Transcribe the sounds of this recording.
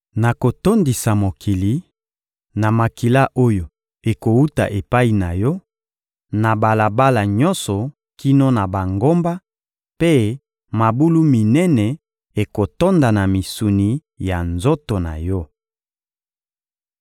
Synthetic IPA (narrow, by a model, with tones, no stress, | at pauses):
na˨ko˨to˦ndi˨sa˨mo˨kʰi˨li˨˦ | na˨ma˨ki˨la˦ʔo˦jo˨ | e˨ko˨u˦ta̰˨ʔe˨pa˦i˨na˨jɔ˦ | na˨ba˨la˨ba˦la˨ɲɔ̃˦nsɔ˨ | ki˦no˦na˨ba˨ŋɡo˦mba˦ | pe˦ | ma˨bu˦lu˦mi˨nɛ˦nɛ˨ | e˨ko˨to˦nda˨na˨mi˨su˨ni˨ | ja˨nzo˦to˨na̰˨jɔ˦